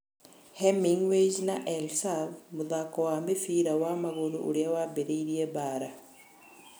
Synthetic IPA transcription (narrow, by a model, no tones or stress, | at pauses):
hemiŋwed͡ʒnaʔelsavmuðakɔwaːmbefiːɾawamaɣoðṵʔuɾiawabeɾeiɾiebaːɾa